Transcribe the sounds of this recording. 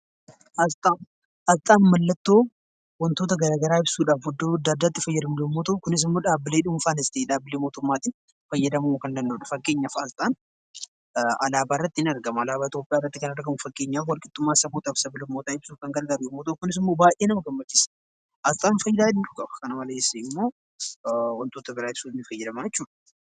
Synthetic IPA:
ʔɐzt̪ʼaː | ʔɐzt̪ʼaːnmɐlːɐt̪ːo̞ː | wɐnt̪o̞ːt̪ɐɡɐɾaːɡɐɾaːɪbsuːᶑaːfhʊd̪ːoːd̪ːaːd̪ːaːt̪ːɪfɐjːɐd̪ɐmʊloːmːoːt̪okʊnɪs̬ɪmːoːᶑaːbːɪleːᶑʊmʊfaːnɪst̪eːᶑaːbːɪleːmo̞ːt̪ʊmːaːt̪ɪ | fɐjːɐd̪ɐmumkɐnd̪ɐnd̪oːᶑɐfɐɡːe̞ːɲːafazt̪ʼaːn | ɐlaːbaːɪrːɐt̪ːɪnɪɐɾɡɐmʊɐlaːbaːɪt̪jo̞ːpʼɪjaːɪrːɐt̪ːɪkɐnɐɾɡɐmʊfɐɡːe̞ːɲːaːfwɐlkʼɪt̪ʼːʊmːaːsɐkuːt̪ʼɐbsɐbɪlʊmːoːt̪aɪbsukɐŋɡɐlɡɐɾeɛmot̪ʊkʊnɪs̬ɪmːo̞ːbaːjʔe̞ːnɐmɐɡɐmːɐt͡ʃːɪs | ʔɐzt̪ʼaːnfɐjːɐd̪aːɪdʊ̥kʼɐbɐ̥kɐnɐmɐlesːɐɪmːo̞ː | wɐnt̪ʼoːt̪ɐbɪɾaːɪb̥suːɪnɪfɐjːɐd̪ɐmajɛt͡ʃːuːᶑɐ̥

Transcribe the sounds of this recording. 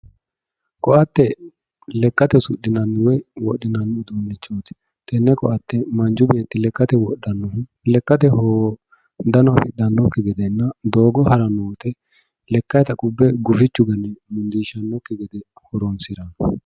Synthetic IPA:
kʼɔʔɐt̪ːɛ | lɛkːɐt̪ɛsʊ̰ɗːɪnɐnːɪwɛwɔɗːɪnɐnːʊd̪uːnːɪt͡ʃːoːt̪ɪ̥ | t̪ʼɛnːɛkɔʔɐt̪ːɛmɐnd͡ʒʊbe̞ːt̪ːɪlɛkːɐt̪ɛwɔɗːɐnːɔhɪ | lɛkːɐt̪ɛho | d̪ɐnɔfɪɗːɐnːɔkːɪɡɛd̪ɛnːɐd̪o̞ːɡɔhɐɾɐnoːt̪ɛ | lɛkːɐjt̪ɐkʼʊbːɛɡʊfɪt͡ʃːʊɡɐnːɛmʊnd̪iːʃɐnːɔkːɪɡɛd̪ɛ | hɔɾɔnsɪɾɐnɔ

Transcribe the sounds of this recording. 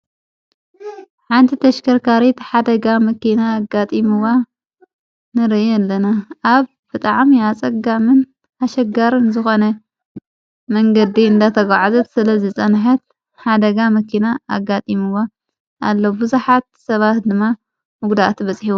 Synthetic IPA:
ħant̪ʰit̪ʰɐʃkʰɐɾkʰaɾit̪ħad̪ɐɡamɐkinaːɡat̪ʼimɨwa | nɨɾɨɛlːɐnaʔaβ | b̥ɨt̪ʼaʕmiat͡sʼɐɡamɨn | aʃɐɡaɾɨnzɨxo̞nɐ | mɐŋɡɐd̪iɨnd̪at̪ʰɐɡaʕazɐt̪sɨlɐzɨt͡sʼɐnħɐt̪̚ | ħad̪ɐɡamɐkʰinaa̰ɡːat̪ʼimɨwa | ʔalːobɨzuħat̪̚sɐβat̪d̪ɨmːa | mɨɡd̪at̪ʰbɐt͡sʼħiwo

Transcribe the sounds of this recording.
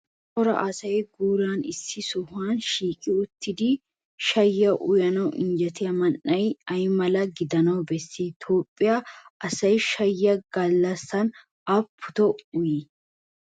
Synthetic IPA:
ʔɔɾɐ̰ʔɐsɐjɡuːlaːnɪsːɪsʊhanʃiːkʼɪʊt̪ːɪd̪ɪ | ʃɐjːɐʔʊjɐnɐwʔɪ̰nd͡ʒɐt̪ɪjɐmɐnːɐjɐjmɐlɐɡɪd̪ɐnɐwbɛsːit̪ʰo̞ːpʼːɪjaɐsɐjʃɐjːɐɡɐlːɐsɐn | ɐpʰːʊ̥t̪ɔʊji

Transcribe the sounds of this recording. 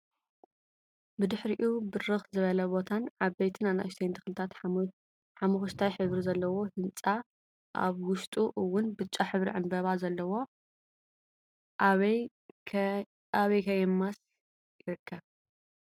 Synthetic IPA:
bɨd̪ɨħɾiʔubɨɾɨxzɨβɐlɐbo̞t̪ʰanʕaβbejt̪ʰɨnana̰jst̪ʰejnt̪ʰɨ̥xlɨt̪ʰat̪ | ħamuxuʃt̪ʰajħɨβɾizɐlːɐwo̞hɨnt͡sʼa | ʔa̰βwʊʃt̪ʼuʔɨwːʊnbɨt͡ʃʼːaħɨβɾḭʕɨmbɐβazɐlːɐwo̞ | aβɐjkʰɐjɛmːas | jɪɾɨkʰːɐβ

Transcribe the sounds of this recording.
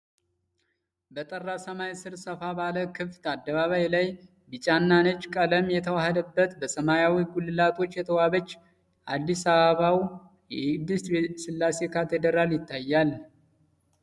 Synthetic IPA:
bət̪ʼərːasəmajsɨɾsəfabaləkʰɨft̪ad̪ːəβaβajlaj | bɨt͡ʃʼanːanət͡ʃːkʼələmjɛt̪ʰəwahəd̪əbːət̪bəsəmajawiɡulːɨlat̪ʰo̞t͡ʃːjɛt̪ʰəwaβət͡ʃː | ʔad̪ːisaβəβaw | jɛd̪ːɨst̪bsɨlːase̞kʰat̪ʰed̪əɾaljɪt̪ːajːal

